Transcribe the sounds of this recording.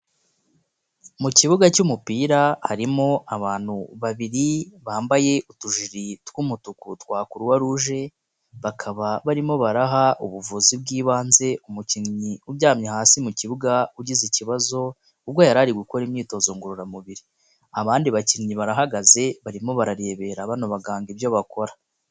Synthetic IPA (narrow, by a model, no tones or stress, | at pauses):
muciβuɡacumupiːɾahaɾimo̞aβaːn̥huβaβiɾiβaːmbaje̞ʔutuʒiɾitwuːmutukutwaːkuɾuwaɾuʒe̞ | βakʰaβaβaɾimo̞βaɾaɦaʔuβuvuzibɡiːβaːnze̞ʔumuciŋɲiubɟaːmɲahaːsimuciβuɡauɟiziciβazo̞ | ubɡajaɾaɾiɡuko̞ɾimɲiːto̞ːzoŋɡuɾuɾamuβiɾi | aβaːndiβaciŋɲiβaɾaɦaɡaze̞βaɾimo̞βaɾaɾe̞ːβe̞ɾaβanoβaɡaːŋɡibjo̞βakʰo̞ɾa